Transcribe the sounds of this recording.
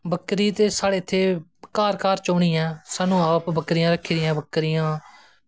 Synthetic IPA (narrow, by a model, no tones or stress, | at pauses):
bəkːɾiːt̪eːsaːɽeːɪt̪ʰːeːkaːɾkaːɾt͡ʃoːɳ̃iːɛ̃ːsaːnũːaːpbəkɾijãːɾəkʰiːɾɪãːbəkːɾijãː